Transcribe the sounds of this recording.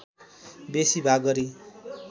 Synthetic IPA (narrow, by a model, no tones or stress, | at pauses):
besibʱaɡʌɾi